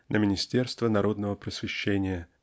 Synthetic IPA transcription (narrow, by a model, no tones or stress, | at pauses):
nʔəmʲɪnʲɪsʲtʲe̞rst̪vənɐɾo̞d̪nəvəpɾəsʲvʲɪɕːenʲɪjə